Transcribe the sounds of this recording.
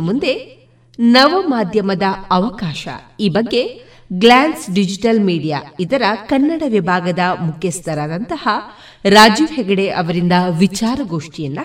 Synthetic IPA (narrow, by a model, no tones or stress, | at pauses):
mund̪e̞ | nɐʋɐmaːd̪ʱjɐmɐd̪ɐɐʋɐkaːʃɐ̰iːbɐɡːe̞ | ɡlaːnsɖid͡ʒiʈɐlmiːɖijaid̪ɐɾɐkɐnːɐɽɐʋibʱaːɡɐd̪ɐmukʰjɐst̪ʰɐɾaːd̪ɐnt̪ɐhɐ | ɾaːd͡ʒiʋhɛɡɐɽeʔɐʋɐɾind̪ɐʋit͡ʃaːɾɐɡoːʂʈijɐnːɐ